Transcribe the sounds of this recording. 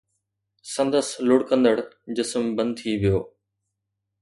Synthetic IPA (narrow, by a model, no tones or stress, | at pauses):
sə̃nd̪əslʊɽkə̃nd̪əɽd͡ʑɪsmbə̃nd̪̚t̪ʰiːʋɪjoː